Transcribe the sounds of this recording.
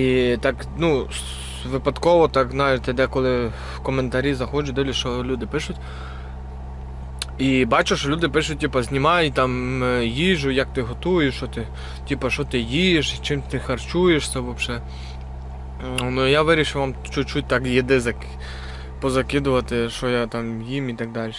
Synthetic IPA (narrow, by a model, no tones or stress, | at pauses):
it̪ɑk | nu | ʋɪpɐd̪kɔʋɔt̪ɑkznɑjet̪ɐd̪ɛkɔlˠɪ | wkɔment̪ɐɾʲizɐxɔt͡ʃʊd̪ɪlʲɪʃɔlʲud̪ɪpɪʃʊtʲ | ibɑt͡ʃʊʃɔlʲud̪ɪpɪʃʊt̚ʲtʲipɐzʲnʲimɑjit̪ɑmjiʒʊjɐk̚t̪ɪɦɔt̪ujɪʃɔt̪ɪ | tʲipɐʃɔt̪ɪjijeʃt͡ʃɪmt̪ɪxɐrt͡ʃujeʃsʲɛʋɔbʃɛ | nʊjaʋɪɾʲiʃɪwʋɑmt͡ʃʊt͡ʃut̚ʲt̪ɑkjid̪ɪzɐk | pɔzɐkɪd̪ʊʋɐt̪ɪʃɔjat̪ɑmjimit̪ɐɡ̚d̪ɑlʲ